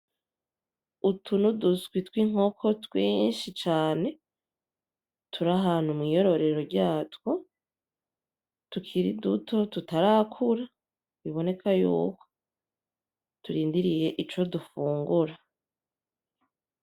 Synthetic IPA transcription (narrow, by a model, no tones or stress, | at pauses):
utunuduskwitwiŋ̥o̞kʰo̞twiːnʃit͡ʃaːne̞ | tʰuɾaɦaːnhumŋijo̞ɾo̞ɾe̞ɾo̞ɾɟaːtwo | tukʰiɾidutʰo̞tutaɾakʰuɾa | βiβo̞ne̞kʰajṵːko̞̥ | tuɾiːndiɾije̞ʔit͡ʃo̞dufuːŋɡuɾa